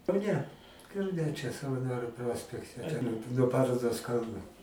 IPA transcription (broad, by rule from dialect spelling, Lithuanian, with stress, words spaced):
kɐʊˈnʲɛ kɐʊˈnʲɛ t͡ʃʲɛ sɐʋɐˈnoːrʲʊ ˈproːsʲpʲɛktʲɛ noː ˈpɑːroːdoːs ˈkɐlˠnʊ